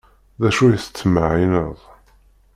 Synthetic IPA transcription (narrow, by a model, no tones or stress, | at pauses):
ðæʃujəθə̥t͡sːmaʕinəðˤ